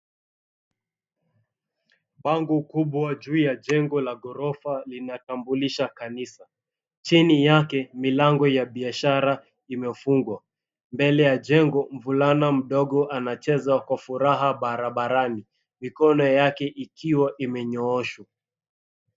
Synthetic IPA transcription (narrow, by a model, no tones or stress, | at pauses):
ɓaŋɡukuɓwad͡ʒuːjad͡ʒɛŋɡɔlaɡɔɾɔfalinatambuliʃakanisa | t͡ʃinijakɛmilaŋɡɔjaɓiaʃaɾa | imɛfuŋɡwa | mbɛlɛjaʄɛŋɡɔm̩vulanam̩ɗɔɠɔʔanat͡ʃɛzakwafuɾaɦaɓaɾaɓaɾani | mikɔnɔjakɛʔikʰiwaʔimɛɲɔɔʃwa